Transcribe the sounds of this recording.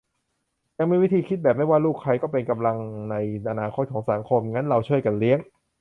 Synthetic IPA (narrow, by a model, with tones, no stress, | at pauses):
ja˧ŋmiː˧wi˦˥t̪ʰiː˧kʰi˦˥t̪̚bɛː˨˩p̚ma˥˩jwaː˥˩luː˥˩kʰːa˧jkɔː˥˩pe˧nka˧mla˧ŋna˧jʔa˧naː˧kʰo˦˥t̪̚kʰɔː˩˦ŋsa˨˩˦ŋkʰo˧mŋa˦˥nɾa˧wt͡ɕʰu˥˩əjka˧nli˦˥əŋ